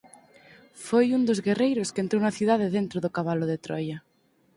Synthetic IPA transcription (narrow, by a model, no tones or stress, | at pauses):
fojund̪ozɣerejɾoskent̪ɾownaθjuðað̞eðent̪ɾoðokaβaloðet̪ɾɔja